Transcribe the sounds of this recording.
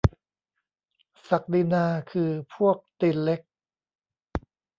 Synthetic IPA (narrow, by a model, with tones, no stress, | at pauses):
sa˨˩k̚di˧naː˧kʰɯː˧pʰu˥˩ək̚t̪iː˧˩nle˦˥k̚